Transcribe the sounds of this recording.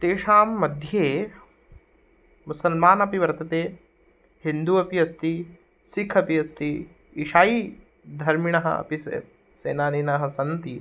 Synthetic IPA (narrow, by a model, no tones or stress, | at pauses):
t̪eːʂaːmːɐd̪ʱjeː | musɐlmaːnɐpiʋɐɾt̪ɐt̪eː | hind̪uɐpiɐst̪i | sikʰɐpiɐst̪iː | ʂaːji | d̪ʱɐɾmiɳ̃ɐɦɐ̰ɐ̰pis | sḛːnaːniːnɐɦɐsɐnt̪i